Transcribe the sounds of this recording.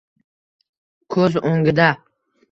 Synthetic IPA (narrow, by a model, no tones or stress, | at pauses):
kʰɵzoŋɡʲɪd̪a